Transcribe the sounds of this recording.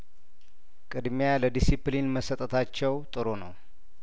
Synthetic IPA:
kʼɨd̪mjaləd̪isiplinməsət̪ʼət̪ʰat͡ʃːɛwt̪ʼɨɾo̞nə̰w

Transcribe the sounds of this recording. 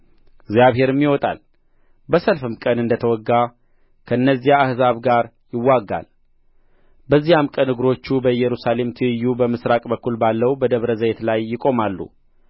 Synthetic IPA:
ɪɡzijaβɦe̞ɾmːiwɔt̪ʼa̰l | bəsəlfɨmkʼənɨnd̪ət̪ʰəwɔɡːa | kʰəɨnːəzːijaːhzaβɡaɾ | jɪwːaɡːa̰l | bəzːijamkʼənɨɡɾo̞t͡ʃːubəjɛɾusale̞mt̪ʰɨɨjːubəmɨsɾakʼbəkʰːulbalːəwbəd̪əβɾəzəjet̪lajːɪkʼo̞malːṵ

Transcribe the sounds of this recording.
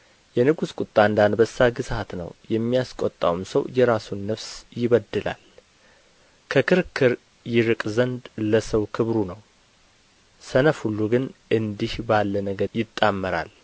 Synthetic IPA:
jɛnɨɡuskʷʼut̪ʼːand̪anbəsːaɡɨsat̪nə̰wjɛmːijaskʼɔt̪ʼːa̰wumsəwjɛɾasunːəfsjɪβəd̪ːɨla̰l | kʰəkʰɨɾkʰɨɾ | jɪɾɨkʼzənd̪ləsəwkʰɨβɾunəw | sənəfhulːuɡɨnɨnd̪ihbalːənəɡəjɪt̪ʼːamːəɾa̰l

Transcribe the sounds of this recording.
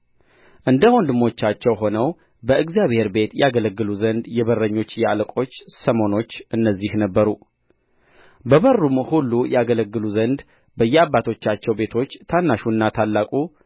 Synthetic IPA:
ʔɨnd̪əwond̪ɨmo̞t͡ʃːat͡ʃːɛwɦo̞nəw | bəɨɡzijaβhe̞ɾbe̞t̪jɛaɡələɡːɨluzənd̪jɛβərːəɲːo̞t͡ʃːjɛalkʼo̞t͡ʃːsəmo̞no̞t͡ʃːʔɨnːəzːihnəbːəɾu | bəβərːumhulːujɛaɡələɡːɨluzənd̪ | bəjːɛabːat̪ʰo̞t͡ʃːat͡ʃːɛwbe̞t̪ʰo̞t͡ʃːt̪ʰanːaʃuɨnːat̪ʰalːakʼu

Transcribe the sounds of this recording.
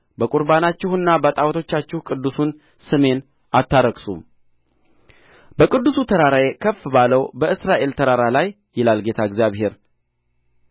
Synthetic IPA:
bəkʼuɾbanat͡ʃːɪhɨnːabət̪ʼawt̪ʰo̞t͡ʃːat͡ʃːɪhkʼɨd̪ːusun | sɨme̞n | at̪ːaɾəɡsṵm | bəkʼɨd̪ːusut̪ʰəɾaɾajekʰəfbaləwbəɨsɾaʔe̞lt̪ʰəɾaɾalajːɪlalɡe̞t̪ʰaɡzjaβhe̞ɾ

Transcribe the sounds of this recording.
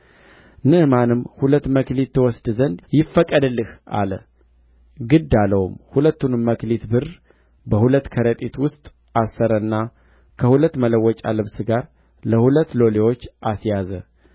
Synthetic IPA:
nɨmanɨmhulət̪ːməklit̪ʰːɨwɔsd̪zənd̪jɪfːəkʼːəd̪ɨlːɨhʔa̰lə | ɡɨd̪aləwumhulət̪ːunmːəklit̪bɨr | bəhulət̪ːkʰəɾət̪ʼit̪wʊst̪ʼ | asːəɾənːa | kʰəhulət̪ːmələwːɔt͡ʃʼa̰lɨβsɨɡaɾ | ləhulət̪ːlo̞lewo̞t͡ʃːʔasjazə

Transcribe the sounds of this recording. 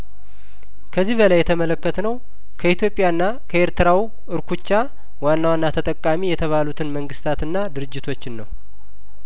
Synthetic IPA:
kʰəzːiβəlajːɛt̪ʰəmələkːət̪nəw | kʰəit̪jo̞pʼːjaɨnːa | kʰəeɾt̪ɨɾaw | ɨɾkʰut͡ʃːa | wanːawanːat̪ʰət̪ʼəkʼːamijɛt̪ʰəβalut̪ʰɨnməŋɡɨst̪ʰat̪ɨnːad̪ɨɾɨd͡ʒːɪt̪ʰo̞t͡ʃːɪnːəw

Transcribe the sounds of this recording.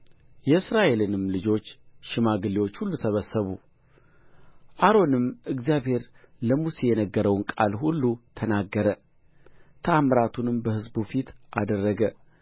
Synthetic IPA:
jɛɨsɾaʔe̞lɨnɨmlɨd͡ʒo̞t͡ʃːʃɪmaɡɨlːiwo̞t͡ʃːhulːusəβəsːəβu | ʔaɾo̞nɨmʔɨɡzijaβhe̞ɾ | ləmusejɛnəɡːəɾəwnkʼalhulːut̪ʰənaɡːəɾə | t̪ʰəamɾat̪ʰunɨmbəhɨzbufit̪ʔa̰d̪ərːəɡə

